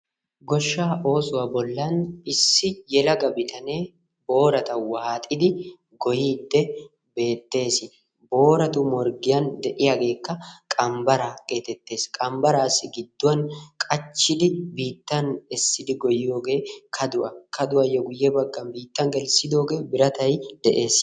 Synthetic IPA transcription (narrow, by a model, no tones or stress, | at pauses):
ɡɔʃːaːʔo̞ːsʊwɐbɔlːanɪsːɪjɛlɐɡɐbɪt̪ʰɐne̞ː | bo̞ːɾɐt̪ɐwaːt̪ʼɪd̪ɪ | ɡɔjiːd̪ːɛ | be̞ːt̪ːe̞ːsɪ | bo̞ːɾɐt̪ʊmɔɾɡɪjɐnd̪ɛʔɪjɐɡe̞ːkːɐkʼɐmbɐɾaɡe̞ːt̪ːɛt̪ːe̞ːskʼɐmbɐɾaːsɪɡɪd̪ːʊɐnkʼɐt͡ʃːɪd̪ɪbiːt̪ːɐnɛsːɪd̪ɪɡɔjoːɡeːkʰɐd̪ʊʔɐkʰɐd̪ʊʔɐjɔɡʊjːebɐɡːɐnbiːt̪ːɐŋɡɛlsɪd̪oːɡeːbɪɾɐt̪ɐɪd̪̥ɛʔe̞ːs